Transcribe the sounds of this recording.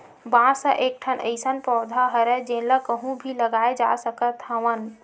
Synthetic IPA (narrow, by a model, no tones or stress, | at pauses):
bãsə̃ʔek̚ʈʰənʔə̰ɪsənpɔːd̪ʱaɦəɾɛd͡ʒenləkəɦũbʱiləɡaed͡ʒa̰səkət̪ɦəʋən